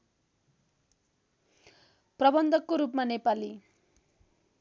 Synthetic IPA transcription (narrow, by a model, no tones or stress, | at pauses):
prʌbʌnd̪ʱʌkːoɾupmanepali